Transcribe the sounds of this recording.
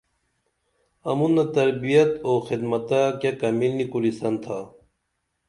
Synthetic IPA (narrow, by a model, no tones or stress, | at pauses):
ɐmunːɐt̪ɐɾbijɐt̪oːxid̪mɐt̪akjakɐmilnikuɾisɐnt̪ʰaː